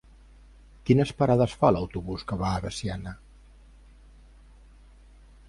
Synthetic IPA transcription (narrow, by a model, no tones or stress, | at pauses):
kinəspəɾaðəsfaləwt̪uβuskəβaːβəsianə